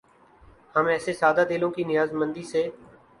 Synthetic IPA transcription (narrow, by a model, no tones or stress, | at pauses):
həmɛːseːsaːd̪aːd̪eːlõːkiːnɪjaːzmənd̪iːseː